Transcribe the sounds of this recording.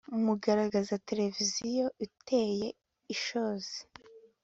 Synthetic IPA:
umuɡaɾaɡazate̞ɾe̞vizijoʔitʰeje̞ | iʃoːze̥

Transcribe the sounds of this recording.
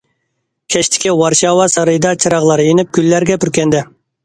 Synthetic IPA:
kʲʰɛʃt̪ʰɪ̥kʲiwɑɾʃɑːwɑsɑɾɨjd̪ɑt͡ʃʰɨɾɑʁlˠɑɾɨenɪp̚kʲʰylːæɾɡʲɛpʰyɾkʲʰɛnd̪ɛ

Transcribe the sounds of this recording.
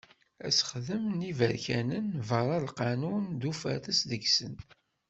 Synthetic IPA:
æ̰sə̥χðəmnivæɾçænənvəɾˤɑlqɑnund̪ufæ̰θəsðəɡsən

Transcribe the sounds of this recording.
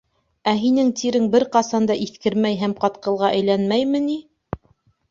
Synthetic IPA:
æɦinɘŋt̪iɾɘŋbɘɾqɑsɑnd̪ɑʔiθkɘɾmæjɦæmqɑt̪qɤ̆lˠʁɑʔæjlænmæjmɘ̆ni

